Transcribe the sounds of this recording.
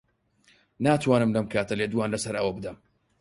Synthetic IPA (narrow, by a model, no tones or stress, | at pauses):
naːt̪ʰwaːnɨmlɐmkʰaːt̪ʰɐleːd̪waːnlɐsɐɾʔɐwɐbɨd̪ɐm